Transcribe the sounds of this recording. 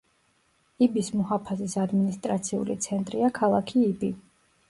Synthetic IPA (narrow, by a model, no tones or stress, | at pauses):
ibismɔhapʰazisad̪minist̪ʼɾat̪sʰiṵlḭt̪sʰɛnt̪ʼɾiakʰalˠakʰiːbi